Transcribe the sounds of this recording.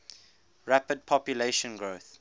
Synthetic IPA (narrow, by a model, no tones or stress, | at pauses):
ɹapəd̚pʰɔpjuleʃə̃nɡɹoθ